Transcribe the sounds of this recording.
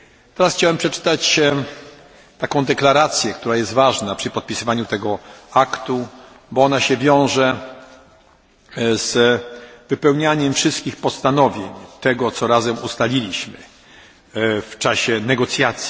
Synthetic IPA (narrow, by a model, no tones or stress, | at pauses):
t̪ɛɾasxt͡ɕawɛmpʂɛt͡ʂɘ̥t̪at͡ɕ | t̪akɔ̃w̃d̪ɛklaɾat̪sʲjɛkt̪uɾajɛst̪vaʐnapʂɘpɔt̪̚pʲisɘvaɲut̪ɛɡɔakt̪u | bɔɔnaɕɛvʲjɔ̃w̃ʐɛ | z̥ | vɘpɛwɲaɲɛmfʂɘst̪̚kʲixpɔst̪anɔvʲjeɲt̪ɛɡɔt̪sɔɾazɛmust̪alʲilʲiɕmɘ̰ | ft͡ʂaɕɛnɛɡɔt̪sʲjat̪sʲji